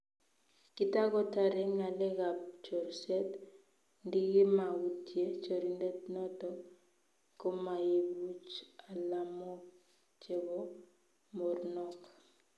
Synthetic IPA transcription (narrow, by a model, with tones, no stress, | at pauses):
kɪ˦ta˦ɡɔ˦ta˨ɾɛ˦ŋa˨lɛ˦ɡa˨p̚t͡ʃɔ˨ɾsɛ˦t | ndi˦ɡi˦ma˨u˨tje˦t͡ʃo˨ɾi˨nde˦tnɔ˦tɔ˦ | kːo˦ma˨je˨bu˦t͡ʃa˨la˨mɔ˦k | t͡ʃe˨ɡɔ˦ | mɔ˨ɾnɔ˦k